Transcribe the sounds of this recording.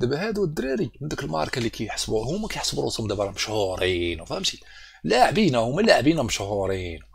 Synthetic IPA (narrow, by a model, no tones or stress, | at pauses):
d̪æbæhæd̪uwd̪ːɾiɾimənd̪əkəlmɑ̰ʕɾˤɑkalikæjħə̥sbuhʊmːækæjħsbɾṵsmd̪æbɾˤɑmʃhʊɾˤinwfææmʃi | laʕbinæhʊmːælaʕbinæməʃhuɾˤin